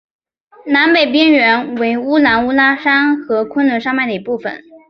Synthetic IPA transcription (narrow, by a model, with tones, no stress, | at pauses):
na˧˥npe˨˩ɪp̬i˥ŋɥɛ˧˥nwe˧˥ɪu˥la˧˥nu˥la˥ʂa˥ŋxɤ˧˥kʰwə˥nlwə˧˥nʂɑ˥ŋma˥˩ɪd̪ə˩i˧˥pu˥˩fə̰˨˩n